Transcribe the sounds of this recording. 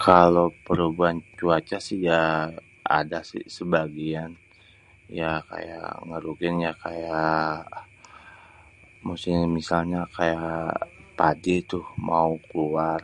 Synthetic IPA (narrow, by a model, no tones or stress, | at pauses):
kʰalopəɾubuant͡ʃuat͡ʃasɪhja | a̰dasɪ̰səbaɡian | jaka̰ja̰ŋəɾukɪnjakaja | musɪmisalɲakaja | padit̪ʊhmaukluar